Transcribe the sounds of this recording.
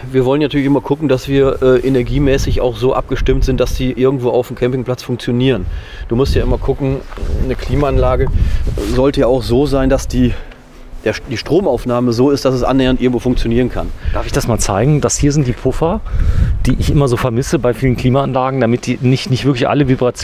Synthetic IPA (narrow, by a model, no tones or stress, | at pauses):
viːɐvɔlənatʰyɐlɪçɪmɐkʰʊkŋ̩dasv̥iːɐʔɛːʔenɛɐɡiːmɛːsɪça̰ʊxz̥oːʔa̰p̚ɡ̥əʃtɪmtz̥ɪntd̥asd̥iːʔɪɐɡŋ̩tv̥oːaʊfm̩kʰɛmpɪŋpl̥at͡sfʊŋkt͡sjoniːʁən | d̥uːmʊstjaːʔɪmɐkʰʊkŋ̩nəkʰl̥iːmaanlaːɡəzɔltəjaːaʊxz̥oːzaɪndasd̥iː | d̥eːɐd̥iːʃtʁ̥oːmaʊfnaːməzoːɪstd̥asɛsʔa̰nːeːɐntɪɐɡŋ̩tvoːfʊŋkt͡sjoniːʁ̞ənkʰa̰nd̥aːɐfɪçd̥asmaːlt͡saɪɡŋ̩dashiːɐzɪnt̚d̥iːpʰʊfɐd̥iːʔɪçʔɪmɐzoːfɛɐmɪsəbaɪfiːlənkl̥iːmaanlaːɡŋ̩damɪt̚d̥iːnɪçtnɪçtv̥ɪɐklɪçʔa̰ləvibʁat͡s